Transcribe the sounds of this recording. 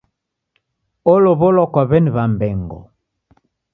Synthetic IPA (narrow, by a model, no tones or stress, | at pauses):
oloβɔlɔkaβɛnβambɛŋɡɔ̰